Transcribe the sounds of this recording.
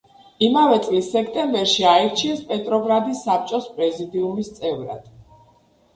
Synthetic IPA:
imavɛt̪sʼlisːɛkʰt̪ʼɛmbɛɾʃiaɛɾt͡ʃʰiɛspʼɛt̪ʼɾɔɡɾad̪isːap̚t͡ʃʼɔspʼɾɛzid̪iumist̪sʼɛvɾa̰d̪̥

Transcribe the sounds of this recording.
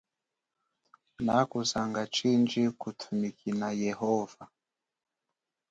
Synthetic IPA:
nakuzaŋɡat͡ʃind͡ʒikutʰumikinajɛhɔva

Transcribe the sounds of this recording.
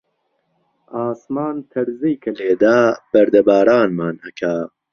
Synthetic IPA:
aːsmaːnt̪ʰɐɾzijkʰɐleːd̪aːb̥ɐɾd̪ɐbaːɾaːnmaːnhɐkʰaː

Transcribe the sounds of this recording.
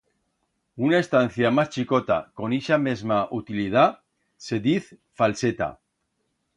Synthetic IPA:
unaest̪an̟θjamast͡ʃikot̪a̰ko̞niʃamezmaʔut̪ilið̞a | se̞ðiθ | falset̪a̰

